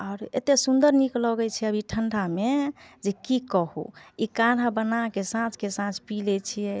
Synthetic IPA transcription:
aːɾḛt̪esund̪əɾniklɔɡɛt͡ʃʰɛəbʱiʈʰəɳɖʱamed͡ʒekikɔɦṵikaɽ̤abənakesãt͡ʃkesãt͡ʃpilɛt͡ʃʰijɛ

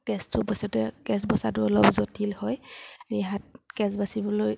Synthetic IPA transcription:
ɡ̥ɛstʊbɔsɔtɛkɛsbɔsatʊɔlɔpzotʰilhɔjiɦat̚kɛsbasibɔloj

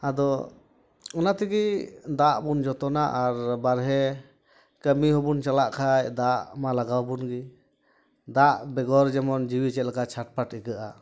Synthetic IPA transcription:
ad̪ɔ | ɔnat̪ɛɡid̪aʔbund͡ʒɔt̪ɔnaʔaɾbaɾɦɛ | kəmiɦɔbunt͡ʃalaʔkʰajd̪aʔmalaɡawbunɡi | d̪aʔbɛɡɔɾd͡ʒɛmɔnd͡ʒiwit͡ʃɛt̪̚lakat͡ʃʰaʈ̚paʈɛɡəʔa

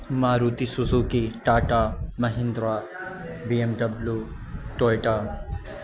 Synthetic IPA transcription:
maːɾuːt̪isuzukeʈaːʈamɐɦɪ̃nd̪ɾaː | biːemɖɐblju | ʈoːjʈa

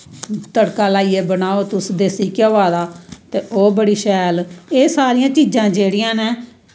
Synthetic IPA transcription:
t̪əɽkaːlaːiːeːbənaːoːt̪ʊsd̪eːsiːkoaːd̪aːt̪eːʔoːbəɽiːʃɛːleːsaːɾɪjãːt͡ʃiːd͡ʒãːd͡ʒeːɽɪjãːneː

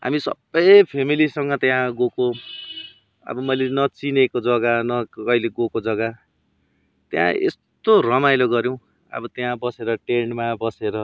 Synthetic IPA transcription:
ɦa̰misʌ̰bʌjpʰemilisʌŋɡʌt̪jãɡoko | ʌ̰bʌmʌjlenʌt͡sinekod͡zʌɡanʌʌjleɡokod͡zʌɡa | t̪jã̰ḛst̪orʌmajloɡʌɾjw̃ | ʌ̰bʌt̪jãbʌseɾʌʈeɳmabʌseɾʌ

